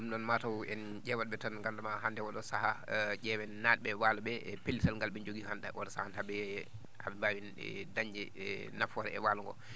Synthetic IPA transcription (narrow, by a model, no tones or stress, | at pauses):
ɗumɗɔnmatawɛn | d͡ʒɛwaɗɓɛtanŋɡandamaɦandɛwɔɗɔsahaʄɛwɛnnadɓɛwaluɓɛʔɛpelːisalŋɡalɓɛnd͡ʒoɡihandaʔɔɗɔsahanhaɓɛ | haɓɛbaːwin̰daɲd͡ʒɛ | nafɔɾɛ̰ɛ̰waluŋɡɔ̰